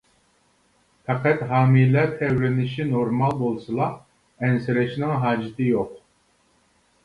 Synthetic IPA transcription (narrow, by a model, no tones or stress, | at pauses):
fɑqʰɛt̪ɦɑːmijlæɾt̪ʰɛwɾɪnɪʃinoɾmɑlˠbolˠsɨlˠɑ | ɛnsɪɾɛʃnɪŋɦɑːd͡ʒit̪ʰɨjoq